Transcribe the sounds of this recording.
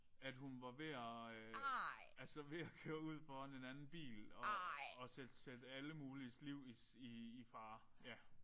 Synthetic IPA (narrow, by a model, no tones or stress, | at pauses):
æd̥hunʋɑ̈ʋe̝æ | ælsɐʋe̝ækʰøːɐuð̞̰ˠfɒne̝nænn̩b̥ḭːlɒ̽ːsed̥sed̥əæləmuːlisliʊ̰is | iːfɑ̈ːjæ